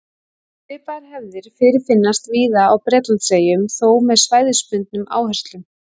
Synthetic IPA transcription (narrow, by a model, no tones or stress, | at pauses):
fɪːpaɾhɛvðɪɾ̥fɪɾɪɾ̥fɪnːast̪viːðaːwpɾɛːt̪laseːjʏmθowmɛðsvaːjðɪspʏnt̪̚nʏma̰ːwhɛst̪lʏm